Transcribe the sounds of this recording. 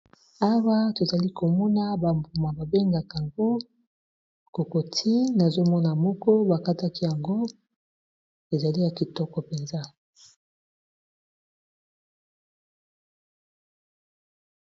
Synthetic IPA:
a˦wa˦to˨za˨li˦ko˨mɔ˦na˦ba˨mbu˨ma˨ba˨be˦ŋɡa˨ka˨ŋɡo˦ | ko˨ko˨tʰi˦na˨zo˦mɔ˦na˨mɔ˦kɔ˦ba˨ka˦ta˦ki˦ja˨ŋɡo˦ | e˨za˨li˦ja˨ki˨tɔ˦kɔ˨pe˨nza˦

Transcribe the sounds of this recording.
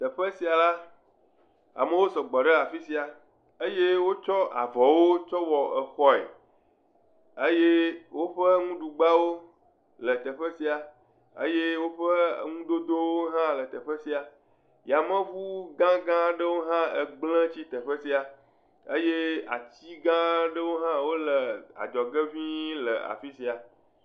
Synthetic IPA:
t̪ə˨ɸə˦si˨a˨la˦ | a̰˨mə˨wo˦sɔ˨ɡ͡bɔ˨ɖe˦a˨fi˦si˨a˨ | ə˦je˦wo˦t͡ʃɔ˦a̰˨vɔ˨wo˦t͡ʃɔ˦wɔ˨ə˨xɔ˦˨ḛ˨ | e˦je˦wo˦ɸə˦ŋũ˦ɖu˨ɡ͡ba˦wo˦ | lə˨t̪ə˨ɸə˦si˨a˨ | ə̰˦je˦wo˦ɸə˦ŋũ˦d̪o˦d̪o˦wo˦ɦã˦lə˨t̪ə˨ɸə˦si˦a˨ | ja˨mə̃˦vu˦ɡã˦ɡã˦ɖə˦wo˦ɦã˦ə˨ɡ͡blə̃˦t͡ɕi˦t̪ə˨ɸə˦si˦a˨ | ə̰˦je˦a̰˨t͡ɕi˦ɡã˦ɖə˦wo˦ɦã˦wo˦lə˨a̰˨d͡ʒɔ˨ɡə˦vĩ˦lə̰˨a̰˨fi˦si˨a˨

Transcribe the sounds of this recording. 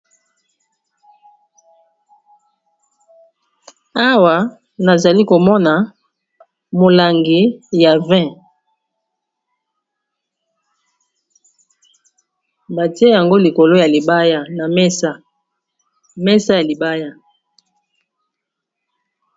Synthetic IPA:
a˦wa˨ | na˨za˨li˦ko˨mɔ˦na˨ | mo˨la˨ŋɡi˨ja˨vɛ̃˦ | ba˨ti˦e˦ja˨ŋɡo˦li˨ko˨lo˦ja˨li˨ba˦ja˦˨na˨m˦ | mɛ˦sa˦ja˨li˨ba˦ja˦

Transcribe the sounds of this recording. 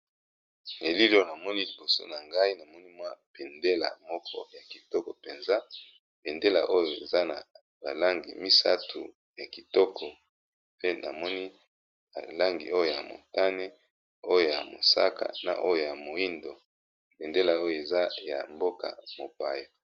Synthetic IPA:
e˨li˦lo˦o˨na˨mɔ˦ni˦li˨bo˨so̰˦na˨ŋɡa˦i˦na˨mɔ˦ni˦mwa˦pe˨nde˦la̰˨mɔ˦kʰɔ̰˦ja˨ki˨tɔ˦kɔ˨pe˨nza˦ | pe˨nde˦la̰˨ʔo˦jo˨e˨za˦na˨ | ba˨la˦ŋɡḭ˨mi˦sa̰˦tʰu˨ | ja˨ki˨tɔ˦kʰɔ˨ | pe˦nʔa̰˨mɔ˦ni˦ | ba̰˨la˦ŋɡi˨ʔo˦jo˨ja̰˨mo̰˨ta˦ne˦ | o˦jo˨ja˨mo̰˨sa̰˦ka̰˨na̰˨ʔo˦jo˨ja˨mo˨i˦ndo˨ | pe˨nde˦la˨o˦jo˨e˨za˦ja̰˨mbo˦ka̰˨mo˨pa˨ja˨

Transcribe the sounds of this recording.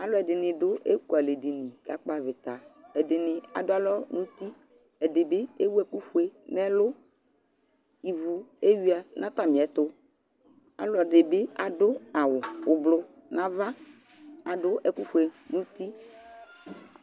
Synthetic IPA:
a˨lɔ˦ɛ˨ɖɪ˨nɪ̃˨ɖʊ˦ʔe˦ku˨a˨le˨de˨nĩ˨ɡ̥a˨˦k͡pa˦vɪ˨t̪a˨ɛ˨ɖɪ˨nɪ̃˨a̰˨dʊ˦a˦lɔ˦nũ˦t̪i˦ | ɛ˨ɖɪ˨bɪ˦e˦wu˦ɛ˦ku˦fu˦e˨nɛ̃˦lʊ˦ | i˨vu˨e˦ɥi˦a˨nʔã˦t̪a˦mĩ˨ɛ˨˦t̪ʊ˦ | a̰˨lɔ˨ɖɪ˨bɪ˦a˨ɖʊ˦a˨wʊ˨ʊ˨blʊ˦nã˦va˦ | a˨ɖʊ˦ʔɛ˨ku˦fu˨˦e˨nũ˦t̪i˦

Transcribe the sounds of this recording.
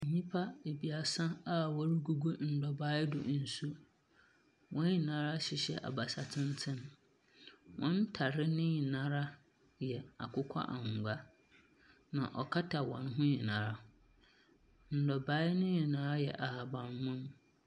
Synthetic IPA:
n̩˨ɲĩ˦pʰa˦e˨bi˨a˨sã˦a˦wɔ˦ɾi˦ɡu˦ɡu˦n̩˨dɔ˨baː˦ɪ˦dʊ̰˨ʔn̩˨su˦ | wɔ̃˦i˨nã˦ɾa˦ɕɪ˨ɕɛ̰˦ʔa̰˨ba˨sa˨tʰɪ̃˦n˦tʰɪ̃˦n | wɔ̃˦n̩˦tʰa˨ɾɪ˦nɪ̃˦ɲɪ̃˨nã˦ɾa˦ | jɛ˨a˨kʰʊ˦kʷʰa̰˦ʔa˨ŋ˨ɡʷa˦ | nã̰˨ʔɔ˨kʰa˦tʰa˨wɔ̰̃˨nɦʊ̃˦ɲɪ̃˨nã˨ɾa˦ | n̩˨dɔ˨ba˦ɪ˦nɪ̃˦ɲɪ̃˨nã˦ɾa˦jɛ˨ʔa˨ha˨bã˨n˦mʊ̃˦m

